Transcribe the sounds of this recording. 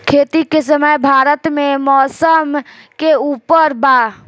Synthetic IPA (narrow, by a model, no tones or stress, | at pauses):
kʰeːt̪ikesəməjbʱaːɾət̪mẽmɔːsəmkeuːpəɾba